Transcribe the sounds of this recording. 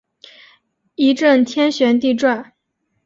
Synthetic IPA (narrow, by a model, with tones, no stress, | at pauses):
i˧˥ʈ͡ʂə˥˩nt̪ʰjɛ˥nɕɥɛ˧˥nt̪i˥˧ʈ͡ʂwa˥˩n